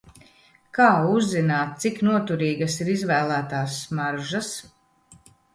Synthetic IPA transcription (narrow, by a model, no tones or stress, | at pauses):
kaːuzːinaːt̪̚t̪siknuɔt̪uɾiːɡɐsiɾizvæːlˠæːt̪aːsːmaɾʒas